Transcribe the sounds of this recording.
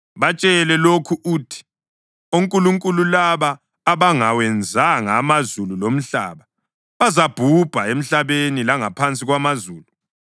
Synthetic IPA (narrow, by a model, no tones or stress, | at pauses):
βat͡ʃʼɛlɛlokʰuʔuːtʰi̥ | uŋkʼuluŋkʼululaβaː | βaŋawɛnd͡zʱaŋamazululom̩ɬa̰ːβa | βazab̥ʱub̥ʱaem̩ɬaβenilaŋapʰant͡sʼiɣwamazuːlu